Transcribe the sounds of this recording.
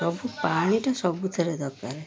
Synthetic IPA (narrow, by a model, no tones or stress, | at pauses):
ɔbʱupaɽ̃iʈasɔbut̪ʰeɾed̪ɔkaɾe